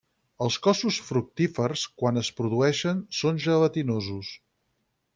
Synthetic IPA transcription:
əlˠskɔsusfɾuk̚t̪ifərskwanəspɾuðuɛʃənsonʒələt̪inozus

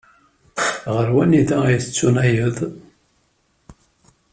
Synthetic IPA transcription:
ʁəɾwæniðæjəθət͡sːunæjəðˤ

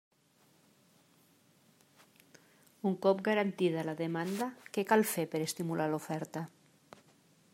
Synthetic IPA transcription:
uŋkɔp̚ɡaɾant̪iðalaðemand̪əkɛkalˠfepəɾest̪imulʔalufɛɾt̪ə

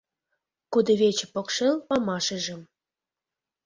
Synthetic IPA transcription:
kud̪ɤ̆βʲet͡ɕə̆pokʃelpɑmɑʃə̆ʒə̆m

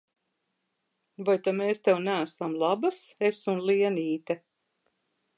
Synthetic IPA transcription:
vajt̪ameːst̪ɛwnæːsamlˠabasesumlˠiɛniːt̪ɛ

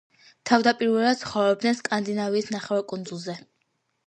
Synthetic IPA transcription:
t̪ʰavd̪apʼiɾvɛlˠad̪̥̚sʰχɔvɾɔb̚d̪nɛnskʼand̪inaviːsnaχɛwakʼund̪zulˠzɛ

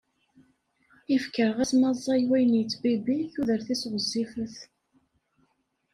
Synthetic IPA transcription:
ifkəɾʁæsmɑzˤːɑjwæjənjt͡sːbibiθuðəɾθisʁəzːifəθ

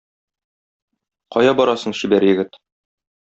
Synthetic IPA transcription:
qɒjɑbɒɾɑsɤ̆ɴɕibæɾjɘ̆ɡɘt̪

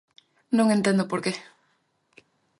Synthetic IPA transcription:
nõŋẽnt̪end̪ʊopoɾke

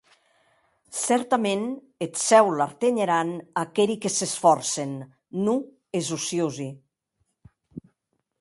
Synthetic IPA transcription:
sɛɾt̪amen | et̪sɛwlaɾt̪eɲeɾanakeɾikesesfɔɾsenː | u | ezusiuzi

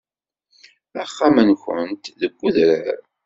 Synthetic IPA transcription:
æχːamənçə̰nt̪ðəɡʷːuðɾə̰ɾ

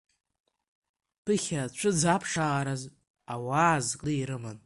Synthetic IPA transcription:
pʰɨχʲat͡ʃʷʰɨd͡zapʰʂaaɾaz | awaːzkʼlɨiɾɨmɨn

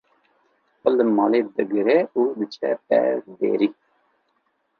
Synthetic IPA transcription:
xɔləmɑːled̪ɨɡɨɾɛud̪ɨt͡ʃʰɛpɛ̰d̪ḛːɾi

